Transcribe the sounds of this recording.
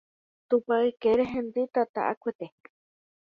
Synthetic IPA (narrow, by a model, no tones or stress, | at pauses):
t̪upaikeɾeɦend̪it̪at̪a̰ʔa̰kʷet̪e